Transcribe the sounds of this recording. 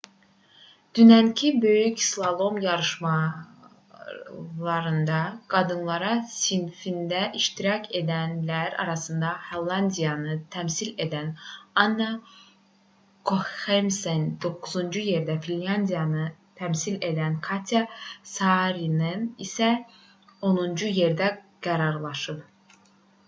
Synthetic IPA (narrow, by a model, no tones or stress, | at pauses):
d̪̥ynæncʰibø̞jycslˠalˠo̞mjɑɾɯʃmɑ | lˠɑɾɯnd̪ɑɡ̥ɑd̪ɯnlˠɑɾɑsinfind̪æʔiʃt̪ʰiɾɑcʰed̪ænlæɾɑ̰ɾɑsɯnd̪ɑhalˠːand̪ijɑnɯt̪ʰæmsilʲed̪ænanːa | kʰoemsend̪o̞kʰuzund͡ʒujeɾd̪æfillʲand̪ijanɯt̪ʰæmsilʲed̪ænkʰat̪ʰjasɑɾinɯnisɛ | onund͡ʒujeɾd̪æ | ɡ̥æɾɑɾlˠɑʃɯp